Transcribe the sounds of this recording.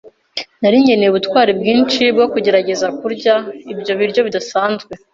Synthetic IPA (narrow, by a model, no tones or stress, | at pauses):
naɾiɲɟe̞neβutkwaːɾibɡiːnt͡ʃibɡo̞kuɟe̞ɾaɟe̞zakuɾɟaibɟo̞βiɾjo̞βidasaːnzɡwe̞